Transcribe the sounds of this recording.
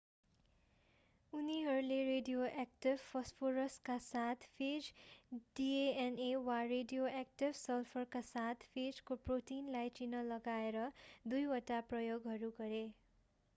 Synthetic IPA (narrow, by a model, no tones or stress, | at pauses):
uniɦʌɾuleɾeɖijoʔek̚ʈibpʰːʌspʰoɾʌskasat̪ʰpʰed͡ʒɖieenewareɖijoʔek̚ʈibsʌlpʰʌrkasat̪ʰpʰed͡zkoproʈinlajt͡sinʌlʌɡaeɾʌd̪ujwʌʈaprʌjoɡɦʌɾuɡʌɾe